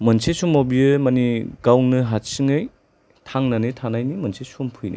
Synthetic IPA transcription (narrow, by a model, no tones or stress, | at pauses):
mɐnsʰesumobiɯmɐniɡawnɯɦat̚siŋɯj | tʰaŋnanɯtʰanajnimɐnsʰesumpʰɯjnḭ